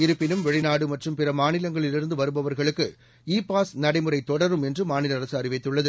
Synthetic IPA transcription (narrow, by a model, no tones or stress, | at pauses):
ɪɾɯpːɪnɯmʋɛɻɪnaːɽɯmɐʈrɯmpɪrɐmaːnɪlɐŋɡɐɭɪlɪɾɯnd̪ɯʋɐɾɯbɐʋɐɾɣɐɭɯkːɯ | iːpaːsnɐɽɐɪmɯrɐɪt̪ːɔɽɐɾɯmɛndrɯmaːnɪlɐɐɾɐsɯɐrɪʋɐɪt̪ːɯɭːɐðɯ